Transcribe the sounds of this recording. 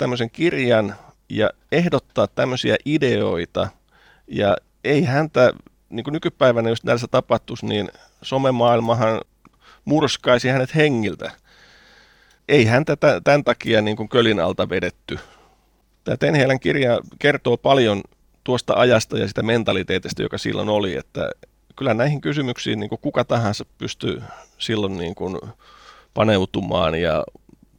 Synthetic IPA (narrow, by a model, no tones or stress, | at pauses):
t̪æmːøseŋkirjɑn | jɑ̰ | ehdot̪ːɑːt̪t̪æmːøsiæʔideo̰it̪ɑ̰ | jɑ̰ | eihænt̪æ | niːŋkunykypæiʋænæjust̪nælsːæt̪ɑpɑht̪usniːn | somemɑːilmɑhɑn | murskɑisihænet̪heŋːilt̪æ̰ | eihænt̪æt̪æt̪ænt̪ɑkiɑniːŋkuŋkølinɑ̰lt̪ɑʋedet̪ːy | t̪æːt̪enheːlæŋkirjɑkert̪oːpɑljon | t̪uost̪ɑ̰ʔɑjɑst̪ɑjɑ̰sit̪æment̪ɑlit̪eːt̪ist̪æ̰jo̰kɑsḭlːo̰noliḛt̪ːæ̰ | kylːænæihiŋkysymyksḭːnniːŋkukukɑt̪ɑhɑ̃nsɑppyst̪y̰silːonniːŋkun | pɑneut̪umɑ̰ːnjɑ̰